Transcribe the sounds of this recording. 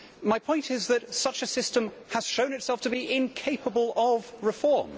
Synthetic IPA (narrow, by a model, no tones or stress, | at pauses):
maɪpʰɔ̃ɪ̃ntɪzðətsʌt͡ʃəsɪstə̃məz̥ʃõʊ̃nɨtsɛlˠftʰəbiʔɪ̃nkʰeɪpʰəbəlˠəvɹɪfɔːm